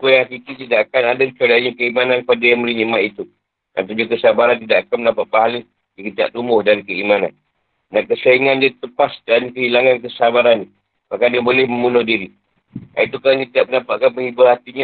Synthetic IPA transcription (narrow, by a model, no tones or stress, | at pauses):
kujaŋakikit̪idaʔakanadakət͡ʃuadaaɲakəimananpadajaməɾinimaʔ̪it̪u | a̰nt̪ud͡ʒukəsabaɾant̪idaʔakanmənapaʔ̪̚paɦali | d͡ʒikət̪ia̰ʔt̪umʊhdankəimana̰n | dankəsəiŋandiat̪əpasdankəɦilaŋankəsabaɾanːi | makadiəbolɛhməmbunʊhdiɾi | a̰it̪ukalanit̪idaʔmənapaʔ̚kanpəŋibʊrhat̪iɲa